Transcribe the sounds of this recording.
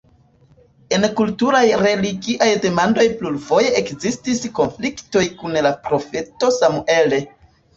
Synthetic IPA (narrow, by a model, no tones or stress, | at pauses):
e̞nkultuɾajɾe̞liɡiʔajde̞mando̞jplulvo̞je̞ekzistisko̞nflikto̞jkunlapɾo̞fe̞to̞samue̞le̞